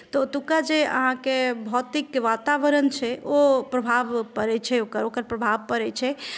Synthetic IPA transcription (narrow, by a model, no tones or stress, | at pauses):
t̪ot̪ukad͡ʒeə̰ɦãkebʱɔt̪ikʋaːt̪aʋəɾənt͡ʃʰɛopɾəbʱaːʋpəɾɛt͡ʃʰɛokəɾokəɾpɾəbʱaːʋpəɾɛt͡ʃʰɛ